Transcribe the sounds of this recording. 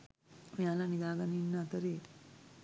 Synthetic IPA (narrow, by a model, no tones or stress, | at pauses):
ojaːlanid̪aːɡaninːəat̪əɾe̥